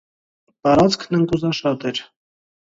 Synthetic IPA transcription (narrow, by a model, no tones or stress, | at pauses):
p̪ɑɾɑt͡skʰnəŋkuzɑʃɑt̪ɛɾ